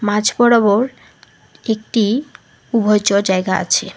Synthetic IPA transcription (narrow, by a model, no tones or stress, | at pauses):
mad͡ʑʱbɔɽoβoɾ | ek̚ʈi | ubʱojt͡ɕod͡ʑaeɡaʔa̰t͡ɕʰe